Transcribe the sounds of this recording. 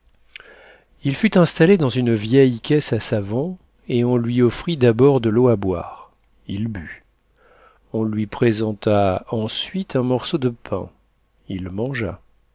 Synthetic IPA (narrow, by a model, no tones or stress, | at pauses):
ilfyt̪ɛ̃st̪aled̪ɑ̃zynvjɛjkʲɛsasavɔ̃ | eɔ̃lɥiɔfχid̪abɔʁd̪əloabwa̰ʁ | ilby | ɔ̃lɥipχezɑ̃t̪aɑ̃sɥit̪ʰɛ̃mɔʁsod̪əpʰɛ̰̃ | ilmɑ̃ʒa̰